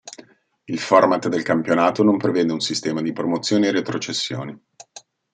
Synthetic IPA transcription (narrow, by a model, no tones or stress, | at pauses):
ilfɔrmat̪d̪elkampjonaːt̪onompɾevɛːd̪eunsist̪ɛːmad̪ipɾomot̪sːjoːneːɾet̪ɾot͡ʃesːjo̰ːni